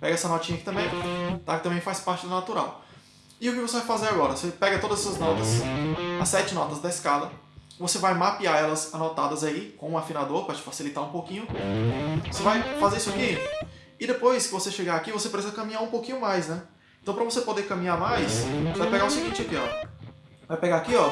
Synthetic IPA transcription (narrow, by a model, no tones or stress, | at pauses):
pɛɡɐɛsɐnɔt͡ʃĩɲɐkit̪ɐ̃mbẽj̃t̪akɪt̪ɐ̃bẽj̃fajspaɾt͡ʃɪd̪ɐnat̪uɾa̰w | ɪʊkɪvosevajfazeɾaɡɔɾɐvosepɛɡɐt̪od̪ɐzɛsɐznɔt̪ɐsɐsːɛt͡ʃɪnɔt̪ɐzd̪ɐɪskalɐ | vosevajmapiaɛlɐzanɔt̪ad̪ɐzaikõũafinad̪oɾpɾɐt͡ʃɪ̥fasilit̪aɾũpowkĩɲʊ | vosevajfazeɾisʊaki | ɪd̪epojskɪvoseʃeɡaːkivosepɾeizɐkɐ̃mĩɲaɾũpowkĩɲʊmajsnɛ | ẽt̪ɐ̃w̃pɾɐ̃vosepod̪ekɐ̃mĩamajssvajpeɡaʊsiɡĩnt͡ʃɪɐpiɔ̰ɾ | vajpeɡaakiɔ